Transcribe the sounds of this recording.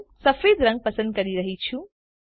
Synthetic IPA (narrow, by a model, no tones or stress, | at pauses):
sʌpʰed̪ɾʌŋɡ̚pɐsə̃nd̪̚kʌɾiɾɐɦit͡sʰu